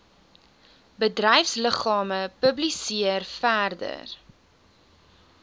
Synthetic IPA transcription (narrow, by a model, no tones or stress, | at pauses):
bədrɛjfsləχɑːməpəblisiərfærdə̰r